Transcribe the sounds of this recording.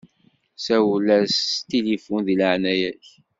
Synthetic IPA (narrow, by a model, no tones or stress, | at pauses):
sæwlæst̪ilifunðiləʕnæjæç